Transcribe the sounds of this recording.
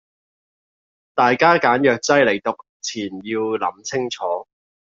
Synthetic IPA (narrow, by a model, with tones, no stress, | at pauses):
t̪aː˨jkaː˥kaː˨˥njœː˨k̚t͡sɐ˥jle˨˩jt̪ʊ˨k̚ | t͡sʰiː˨˩njiː˧wlɐ̰˨˥mt͡sʰɪ˥ŋt͡sʰɔː˨˥